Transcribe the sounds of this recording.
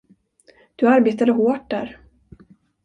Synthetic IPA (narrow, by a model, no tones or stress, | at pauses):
d̪̥ɵaɾbeːt̪ad̪əɦoːʈ̚d̪æ̰ːɾ